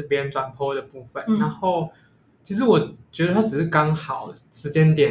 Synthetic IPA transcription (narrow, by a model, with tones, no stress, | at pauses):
pjɛ˦nʈ͡ʂwa˨˩npʰɔ˥d̪ə˨pu˥˩fə˨nna˧˦nxo˥˩ʊ | t͡ɕʰi˧˥ʂ̬ɻ̩˧˦wɔ˨˩t͡ɕɥɛ˧˥d̪ə˨˧a˥ʈ͡ʂɻ̩˨˩ʂɻ̩˥˩kɑ˦˥ŋxɑ˨˩ʊʂɻ̩˧˥t͡ɕjɛ˦nt̪jɛ˨˩